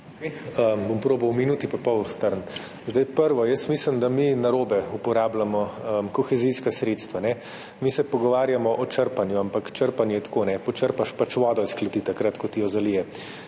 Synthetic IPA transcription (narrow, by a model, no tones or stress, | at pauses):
əbompɾoːbɐwminuːt̪ipɐpɔwst̪əɾn | zd̪ajpəɾʋɔjəsmiːsləmd̪aminaɾoːbɛupɔɾaːblamɔəmkɔxɛziskasɾeːt̪st̪ʋanɛ | misɛpɔɡɔʋaːɾjamɔʔɔt͡ʃəɾpanjuampakt͡ʃəɾpanjɛjɛt̪ḁkoːnɛpɔt͡ʃəɾpaʃpat͡ʃʋɔːd̪ɔisklɐt̪it̪akɾat̪kɔt̪ijɔzalijɛ